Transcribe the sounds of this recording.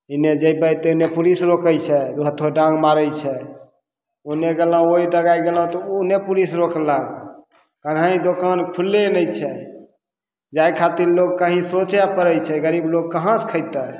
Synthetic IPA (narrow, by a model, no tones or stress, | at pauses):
ined͡ʒəjbəjt̪enepulisɾokəjt͡ʃʰɛt̪uɦət̪ʰoɖãŋɡmaɾəjt͡ʃʰɛ | oneɡelãoid̪əɡajɡelãt̪ɔunepulisɾoklaɡ | kənɦaĩd̪okankʰulːenəjt͡ʃʰɛ | d͡ʒajkʰat̪iɾloɡ̚kəɦĩsot͡ʃpəɾəjt͡ʃʰɛɡəɾibloɡ̚kəɦãskʰəɪt̪ɛ